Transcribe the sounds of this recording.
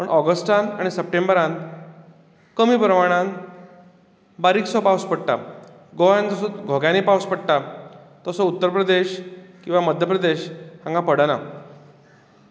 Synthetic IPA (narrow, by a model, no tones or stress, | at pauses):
pəɳʔɔɡəsʈanaɽ̃isəp̚ʈembəɾãn | kəmiːpɾəmaɽ̃ãn | baɾiːksɔpawspəɽʈa̰ | ɡʱoʋjant̪ɔsɔt͡sɡʱoɡjãnipawspəɽʈa | t̪əsɔut̪ːəɾpɾəd̪eɕkĩw̃ʋaməd̪ʱjəpɾəd̪eɕhãŋɡapəɽana